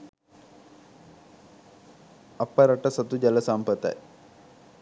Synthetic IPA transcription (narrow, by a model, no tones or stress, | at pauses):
ɐpːɐɾɐʈɐsɐt̪ud͡ʑɐlɐsaːmpət̪a̰j